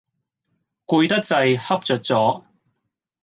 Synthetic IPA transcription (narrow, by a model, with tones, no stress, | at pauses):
kuː˧jt̪ɐ˥k̚t͡sɐ˧jhɐ˥p̚t͡sœː˨t̚t͡sɔː˨˥